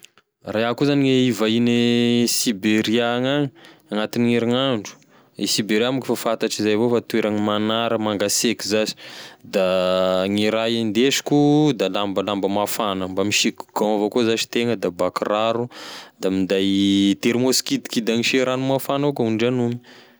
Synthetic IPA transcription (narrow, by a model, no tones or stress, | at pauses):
raakuzaniŋeivainesibeɾiaŋaŋiaŋat̪iniŋeɾaŋaɳɖ͡ʐu̥ | isibeɾiamikifafat̪aʈ͡ʂizajvofat̪ueɾaŋimanaɾəmaŋɡasekizazi̥d̪aŋiɾaend̪eʃi̥kud̪alambəlambəmafanəmbamiʃikuɡ̥ãwavokuzaʃi̥t̪eŋəd̪abakraɾud̪amind̪ajt̪eɾimoskid̪i̥kid̪aŋiʃeɾanumafanaokaunɖ͡ʐanumi̥